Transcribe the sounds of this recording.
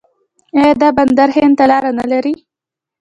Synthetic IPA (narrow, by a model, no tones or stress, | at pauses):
ed̪ɑband̪aɾhent̪alɑɾanalaɾi